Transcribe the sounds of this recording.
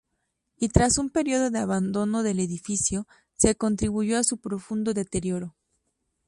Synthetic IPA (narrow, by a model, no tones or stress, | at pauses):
it̪ɾasumpe̞ɾjo̞ðo̞ðeaβand̪o̞no̞ðe̞le̞ðifisjo̞ | se̞ko̞nt̪ɾiβuʝo̞asupɾo̞fund̪o̞ðe̞t̪e̞ɾjo̞ɾo